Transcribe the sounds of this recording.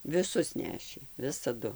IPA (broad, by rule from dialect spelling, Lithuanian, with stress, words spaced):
ʋʲɪˈsʊs ˈnʲæːʃʲeː ʋʲɪsɐˈdʊ